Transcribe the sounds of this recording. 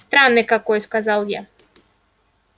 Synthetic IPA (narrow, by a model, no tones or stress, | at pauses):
st̪ɾanːɪkakɔjskazalˠja